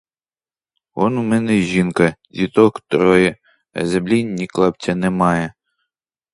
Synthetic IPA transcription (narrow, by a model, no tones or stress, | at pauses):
ɔnumɛnɛʒinkɐdʲit̪ɔkt̪ɾɔjɛ | ɐ̰zɛblʲinʲːiklˠɑpt͡sʲɐnɛmɑjɛ